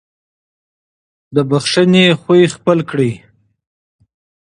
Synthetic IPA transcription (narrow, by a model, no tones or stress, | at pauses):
d̪əbaxʂənexujxpəlkɽij